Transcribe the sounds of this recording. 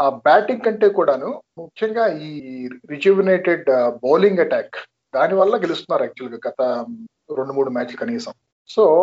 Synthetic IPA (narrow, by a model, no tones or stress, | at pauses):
aːbaːʈiŋkɐɳʈe̞ːkuːɽaːnumukʰjɐŋɡaːiːɾid͡ʒiʋineːʈeɖboːliŋɡɐʈaːk | d̪aːniʋɐɭːɐkɡe̞lust̪unːaːɾɐk̚t͡ʃuɐlɡaːɡɐt̪ɐ | ɾeɳɖumuːɽumaːt͡ʃlukɐniːsɐm | so̞ː